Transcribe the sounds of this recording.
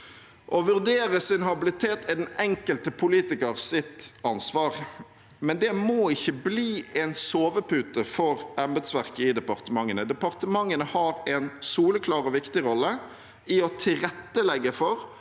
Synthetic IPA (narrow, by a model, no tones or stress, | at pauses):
ʔɔʋʉʁd̪eːɾəsɪnhɑbɪlɪt̪ʰeːt̪ɪd̪ɛnɛŋkəlt̪əpʰʊliːt̪ɪkəʁsɪt̪ɑnsʋɑːʁ | mɛnd̪ɛmoːɪçːəbliːɛnsoːʋəpʉːt̪əfɔɾʔɑmbɛd̪sʋæʁkəɪd̪ɛpɑʁt̪əmɑŋːənəd̪ɛpɑʁt̪əmɑŋːənəhɑːɾɛnsuːləkʰlɑːɾɔʋɪkt̪ɪʁɔlːə | ɪɔt̪ʰɪɾɛt̪ːəlɛɡəfɔɾ